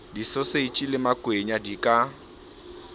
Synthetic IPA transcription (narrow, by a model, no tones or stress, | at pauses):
disɔseit͡ʃʼilɪmakʼweɲadikʼa